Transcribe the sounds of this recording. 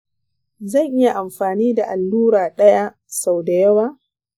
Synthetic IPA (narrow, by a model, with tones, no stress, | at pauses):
zɐ˦˨ŋʔɪ˦ja˨ʔa˨mɸaː˨niː˦da˨ʔa˨lːuː˦ɾaː˨ɗɐ˦ja˦ | sa˨wda˨jɐ˦waː˦